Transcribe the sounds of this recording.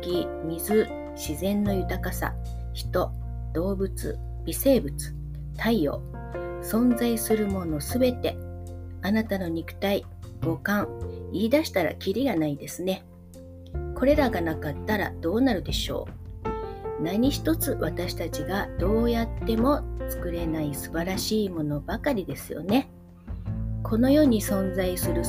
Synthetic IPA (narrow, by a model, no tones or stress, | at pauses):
kʲi | mʲizɨ | ɕizẽ̞nːo̞jɯ̟t̪akasa̰ | çi̥t̪o̞ | d̪̥o̞ːbɯ̟t͡sɨ̰ | b̥ʲise̞ːbɯ̟t͡sɨ̥ | t̪ʰaio̞̰ː | sõ̞nd͡zaisɨɾɯ̟mo̞no̞sɨbe̞t̪e̞ | anat̪ano̞ɲ̟ikɯ̟̥t̪ai | ɡ̥o̞kãɰiːd̪aɕi̥t̪aɾa̰kʲiɾʲiɡanaid̪e̞sɨne̞ | kʰo̞ɾe̞ɾaɡanakat̪ːaɾa̰d̪̥o̞ːnaɾɯ̟d̪e̞ɕo̞̰ː | naɲ̟içi̥t̪o̞t͡sɨβat̪aɕi̥t̪at͡ɕiɡad̪̥o̞ːjat̪ːe̞mo̞t͡sɨ̥kɯ̟ɾe̞naisɨbaɾaɕiːmo̞no̞bakaɾʲid̪e̞sɨjo̞̰ne̞ | kʰo̞no̞jo̞ːɲ̟isõ̞nd͡zaisɨɾɯ̟